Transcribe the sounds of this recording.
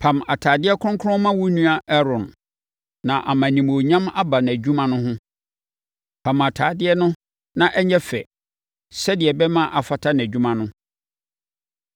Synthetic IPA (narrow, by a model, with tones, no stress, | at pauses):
pʰã˨ma˨tʰaː˨dɪ˦ɛ˦kʰʊ̃˦ŋ˦kʰʊ˦ʊ̃˦mã˦wu˦nũ˦a˦ʔɛ˦ɾɔ̃˨nː | ã˨ʔa˨mã˨nĩ˨mo˨ɲã˦ma˦ba˨n˨æ˨d͡ʑᶣũ˦mã˦nʊ̃˦ɦʊ̃˦ | pʰã˨ma˨tʰaː˨dɪ˦ɛ˦nʊ̃˦ | nã˦ʔɛ˦ɲɛ˦fɛ̰˨ | sɛ˦dɪ˨ɛ˨bɛ˦mã˦ʔa˨fa˨tʰa˦n˨æ˨d͡ʑᶣũ˦mã˦nʊ̃˦